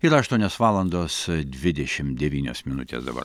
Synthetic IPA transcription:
iɾɐʃt̪uɔnʲoːsʋɑːlˠɐnd̪oːsd̪ʲʋʲɪd̪ʲɛʃʲɪmd̪ʲɛʋʲiːnʲo̰ːsmʲɪnʊ̰t̪ʲḛːsd̪ɐ̰bɐ̰ɾ

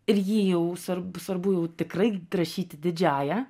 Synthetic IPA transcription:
ɪɾjiːjɛʊsʋɐɾbsʋɐɾbʊjɛʊt̪ʲɪkɾɐɪɾɐʃʲiːt̪ʲɪd̪ʲɪd͡ʒʲæːjɛ

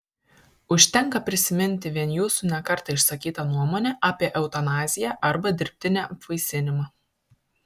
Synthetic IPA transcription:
ʊʃʲt̪ʲɛŋˑkɐpʲɾʲɪsʲɪmʲɪnʲt̪ʲɪʋʲiɛnjuːsunʲɛkɐɾt̪ɐɪʃsɐkʲiːt̪ɐnuɔmoːnʲɛʔɑːpʲiɛʔɛʊt̪ɐnɑːzʲɪjæːʔɐɾbɐd̪ʲɪɾʲpʲt̪ʲɪnʲæːɐpʋɐɪsʲɪnʲɪmɑː

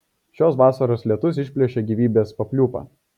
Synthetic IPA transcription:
ʃʲoːsʋɑːsɐɾoːslʲiɛt̪ʊs̬ɪʃʲpʲlʲiɛʃʲeːɡʲiːʋʲiːbʲeːspɐpʲlʲuːpɑ̰ː

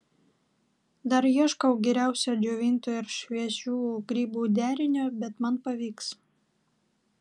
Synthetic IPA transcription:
d̪ɐɾjiɛʃkɐʊɡʲɛɾʲæˑʊsʲoːd͡ʒʲoʋʲɪnʲt̪oːɪɾʃʲʋʲiɛʃʲuːɡ̥ɾʲiːbuːd̪ʲæːɾʲɪnʲoːbʲɛt̪mɐnpɐʋʲiːks

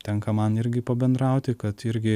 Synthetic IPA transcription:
t̪ʲɛŋkɐmɐnɪɾʲɡʲɪpɐbʲɛnd̪ɾɑˑʊt̪ʲɪkɐt̪ɪɾʲɡʲɪ

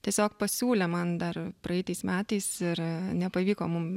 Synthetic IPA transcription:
t̪ʲiɛsʲoːkpɐsʲuːlʲɛmɐnd̪ɐrpɾɐjɛɪt̪ɐɪsmʲæːt̪ɐɪsɪɾnʲɛpɐʋʲiːkoːmʊm

